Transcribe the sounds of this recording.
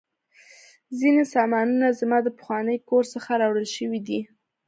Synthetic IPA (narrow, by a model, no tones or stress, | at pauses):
zinesɑmɑnunazmɑd̪əpə̥xwɑnəjkoɾsəxaɾɑwɽəlʃəwid̪i